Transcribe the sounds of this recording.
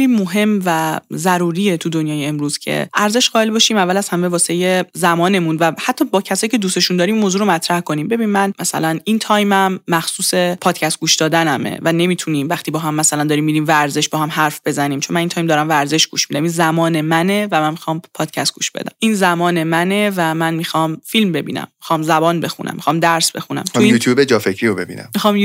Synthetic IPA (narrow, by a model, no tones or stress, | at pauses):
imoɦe̞mvæzæɾuːɾiet̪ʰud̪o̞njɒːjeemɾuːz̥cʰḛʔæɾze̞ʃɢɒːe̞lbɒʃiːmævːælæz̥hæme̞vɒːsejezæmɒːne̞munvæhæt̪ʰːɒːbɒːcʰæsɒːjicʰe̞d̪uːse̞ʃund̪ɒːɾiːmːoːzuːɾomæt̪ʰɾæhko̞niːmbe̞biːnimænmæsæ̰lænint̪ʰɒːjmæmːæxsuːse̞pʰɒːd̪̥̚cʰæst̪ɡuːʃd̪ɒːd̪ænæmḛvæne̞miːt̪ʰuniːmvæχt̪ʰiːbɒːɦæmːæsælænd̪ɒːɾiːmːidɾiːmvæɾze̞ʃbɒːhæmhæɾfb̥e̞zæniːmt͡ʃʰo̞nmænint̪ʰɒːjmd̪ɒːɾæmvæɾze̞ʃɡ̥uːʃmiːd̪æminzæmɒːnemænevæmænmixɒːmpʰɒːd̪̥̚cʰæst̪̚ɡṵːʃbe̞̰d̪æ̰mmʔinzæmɒːnemæne̞væmænmiːxɒmfilmbe̞bḭːnæ̰mːixɒmzæbɒːnbe̞xṵnʔæ̰mːixɒːmd̪æɾsbe̞xunæ̰mt̪uijuːt̪ʰjuːbed͡ʒɒːfecʰɾiɾobebḭːnæ̰mmixɒːm